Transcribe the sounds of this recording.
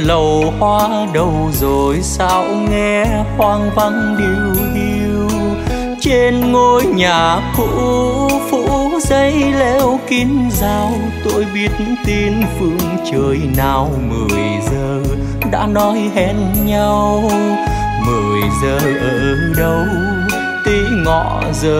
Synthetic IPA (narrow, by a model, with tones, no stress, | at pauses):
lə˨˩whwaː˧ | ɗə˨˧˩wzo˨˩jsa̰˧˥wŋɛ˧ | hwaː˧ŋva˧ŋ | ɗi˧˩wʔi˧ | ww | t͡ɕe˧nŋo˧jɲaː˨˩kṵ˧˥fṵ˧˥zə˧jlɛ˧wki˧nzaː˧w | t̪o˧jɓi˧˦ət̚nt̪i˧nfɨ˧˩əŋt͡ɕəː˧˩jnaː˧˩wmɨ˨˩əjzəː˧˩ | ɗa̰ː˧˥nɔ˨˦jɦɛ˧˩n̚ɲa˧w | mɨ˨˩əjzəː˧ʔəː˨˩ | ɗə˧w | t̪i˧˦ŋɔ̰˧˨ | zəː˧˩